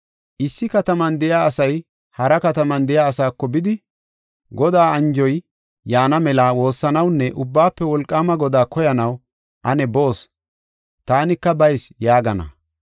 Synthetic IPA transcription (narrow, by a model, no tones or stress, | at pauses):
ʔɪsːɪkɐt̪ɐmɐnd̪ɛjaːɐsɐj | hɐɾɐkɐt̪ɐmɐnd̪ɛjaːɐsaːkːɔbɪd̪ɪ | ɡɔd̪aːɐnd͡ʒɔj | jaːnɐmɛlawo̞ːsːɐnɐwnːɛʔʊbːaːpːɛwɔlkʼːaːmɐɡɔd̪aːkɔjɐnɐw | ʔɐnɛbo̞ːs | t̪aːnɪkːɐbɐjsjaːɡɐnɐ̰